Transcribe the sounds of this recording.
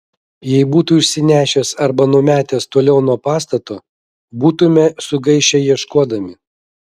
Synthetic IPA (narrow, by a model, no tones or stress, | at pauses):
jɛɪbuːt̪uːɪʃʲsʲɪnʲæːʃʲɛːsɐɾbɐnuːmʲæːt̪ʲeːst̪oːlʲɛʊnuɔpɑːs̬t̪ɐt̪oː | buːt̪ʊmʲɛsʊɡɐɪʃʲɛjiɛʃkuɔd̪ɐmʲɪ